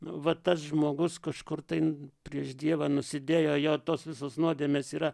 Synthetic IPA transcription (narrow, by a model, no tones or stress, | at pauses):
ʋɐt̪ɐsʒmoːɡʊskɐʃkʊrt̪ɐɪpʲɾʲiɛʃd̪ʲiɛʋɐnʊsʲɪd̪ʲeːjoːjɛʊt̪oːsʋʲɪsoːsnuɔd̪ʲeːmʲeːsiːɾɐ